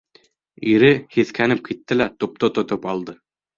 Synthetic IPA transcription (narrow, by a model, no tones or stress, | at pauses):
iɾɘhiθkʰænɘp̚kit̪ːɘlæt̪up̚t̪ot̪ŏt̪opɑlˠd̪ɤ